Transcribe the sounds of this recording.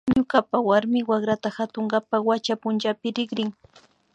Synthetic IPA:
ɲʊkapawaɾmɪwakɾat̪axat̪oŋɢapawat͡ʃapʊnt͡ʃapɪɾɪɡɾɪŋ

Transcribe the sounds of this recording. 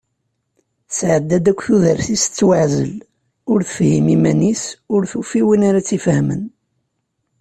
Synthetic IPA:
sʕəd̪ːæd̪ækʷːθuðəɾθist͡sːwaʕzə̰l | ʊɾθəfhimimænisʊɾθufiwinaɾat͡sːifhmə̰n

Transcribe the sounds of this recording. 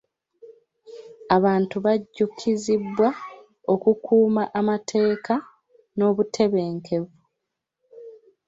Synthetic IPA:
aβaːntuβaɟːukʰːizibwa | o̞kukuːmaʔamatʰe̞ːka | no̞ːβutʰe̞βe̞ːŋkʰe̞vu

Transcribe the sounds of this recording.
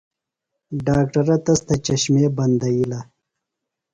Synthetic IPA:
ɖaːk̚ʈɐɾɐt̪ɐst̪ɐt͡ʃɐɕmeːbɐnd̪ɐjila

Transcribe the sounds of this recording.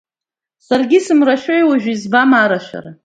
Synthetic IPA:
sarɡʲisɨmraʃᶣojwaʒᶣʷizbamaɾaʃʷᶣa̰ra

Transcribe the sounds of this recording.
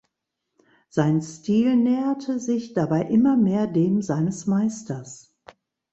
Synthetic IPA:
z̥aɪnstiːlnɛːɐtʰəzɪçd̥abaɪʔɪmɐmeːɐdeːmzaɪnəsmaɪstɐs

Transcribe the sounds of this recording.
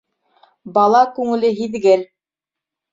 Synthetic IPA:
bɑlˠɑkʉŋɘ̆lɘɦiðɡɘl

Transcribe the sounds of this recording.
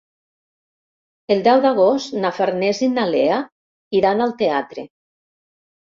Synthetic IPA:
eld̪ɛwd̪aɣ̞ost̪nafaɾnezinalea | iɾanalˠt̪eat̪ɾḛ

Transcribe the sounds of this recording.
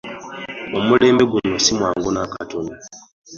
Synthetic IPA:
omuleːmbeɡunosimwaːŋɡonaka̰toni

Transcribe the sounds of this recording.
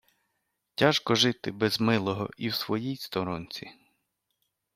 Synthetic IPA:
tʲaʃkɔʒɪt̪ɪbɛzmɪlˠɔɦɔ̰ʔiwsʋɔjijst̪ɔɾɔnʲt͡sʲi

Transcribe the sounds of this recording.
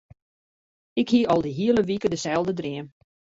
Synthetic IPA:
ɪkhiəʔɔlˠdəɦiələʋikədəsɛlˠdədriən

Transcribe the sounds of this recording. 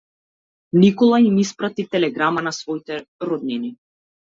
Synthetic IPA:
nikɔlˠaimispɾat̪it̪ɛlɛɡɾamanasvɔit̪ɛɾɔd̪̚nini

